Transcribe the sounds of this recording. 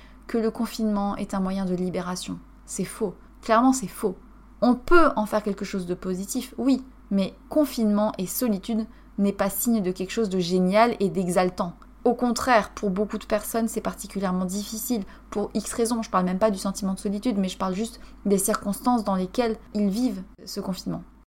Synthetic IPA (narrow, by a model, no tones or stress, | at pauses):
kələkɔ̃finmɑ̃ʔɛ̰t̪ɛ̃mwajɛ̃d̪əlibeʁasjɔ̰̃ | sɛfo | klɛʁmɑ̃sɛfo | ɔ̃pøɑ̃fɛʁkʲɛlkəʃozd̪əpozit̪ifwi | mɛkɔ̃finmɑ̃ʔesɔlit̪yd̪ | nɛpasiɲd̪əkʲɛlkə̥ʃozd̪əʒenjaled̪ɛɡzalt̪ɑ̃ | okɔ̃t̪χɛʁpʰuʁbokud̪əpɛʁsɔnsɛpaʁt̪i̥kʲyljɛʁmɑ̃d̪ifisil | puʁiksχezɔ̃ʒəpaʁlmɛmpad̪ysɑ̃t̪imɑ̃d̪əsɔlit̪yd̪mɛʒəpaʁlʒyst̪d̪esiʁkɔ̃st̪ɑ̃sd̪ɑ̃lekʲɛlilviv | səkɔ̃finmɑ̃